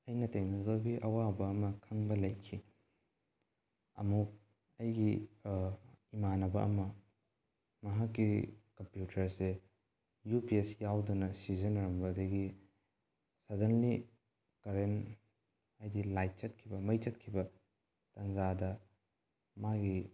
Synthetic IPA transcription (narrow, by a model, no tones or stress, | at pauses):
ɐjnɐtejmikɐlɡiʔɐwabɐːmɐkʰɐŋbɐlɐjkʰːi | ɐ̰muk̚ | ɐjɡi | imanɐbɐʔɐ̰mɐ | mɐɦakːikɐmpjutʰɐɾse | jupiesjawdunɐsizɐnɐɾɐmbɐdɐɡi | sɐɾdɐnli | kɐɾem | ɐjdilajt̚t͡ʃɐt̚kʰibɐmɐjt͡ʃɐtkʰibɐ | tɐŋzadɐ | maɡi